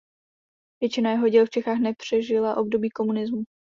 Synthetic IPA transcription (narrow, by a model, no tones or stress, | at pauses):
vjɛt͡ʃɪnajɛɦo̞ɟɛlft͡ʃɛxaːxnɛpr̝̥ɛʒɪlaʔo̞bdo̞biːko̞munɪzmu